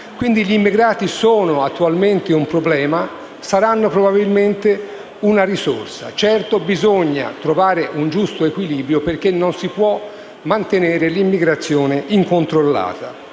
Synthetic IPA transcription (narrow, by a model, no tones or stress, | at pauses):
kwind̪iʎimːiɡɾaːt̪isoːnoat̪ːualment̪eumpɾoblɛːma | saɾanːopɾobabilment̪e | unaɾiso̰rsa̰t͡ʃɛrt̪obizoɲːa̰t̪ɾovaːɾeʔund͡ʒust̪oekwiliːbɾjoperk̟enːonsipwɔ | mant̪eneːɾelimːiɡɾat̪sːjoːneʔiŋkont̪ɾolːa̰ːt̪a